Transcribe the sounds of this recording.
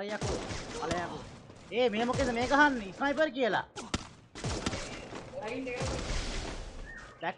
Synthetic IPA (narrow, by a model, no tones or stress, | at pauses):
ɾejakupalajaku | eːmeːmoket̪emẽːkaɦanisɾaːipəɾk̬iəla̰ | tɛk